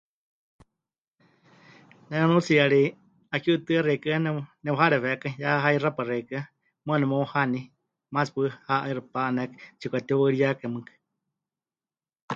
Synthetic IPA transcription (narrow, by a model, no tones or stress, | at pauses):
nɛnanũt͡siaɺi | akut̪ɨarɛkɨanɛnɛwaɦaɾɛβɛkajaɦairaparɛikɨa | mɨanɛmohani | maspɨhaʔaiɾɨpaanɛkt͡ʃikʷat̪iwaɺijakamɨkḁ